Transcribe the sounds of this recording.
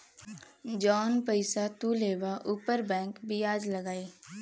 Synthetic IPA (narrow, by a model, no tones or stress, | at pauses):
d͡ʒɔːnpəɪsat̪uleːʋaʔupəɾbɛ̃ːŋkbʱiaːd͡ʒləɡaːeː